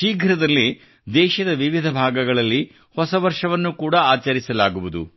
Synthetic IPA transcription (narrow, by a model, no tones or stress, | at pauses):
ʃiːɡʱɾɐd̪ɐlːi | d̪ɛːʃɐd̪ɐʋiʋid̪ʱɐbʱaːɡɐɡɐɭɐlːi | hɔsɐʋɐɾʂɐʋɐnːukuːɽɐaːt͡ʃɐɾisɐlaːɡuʋud̪ṵ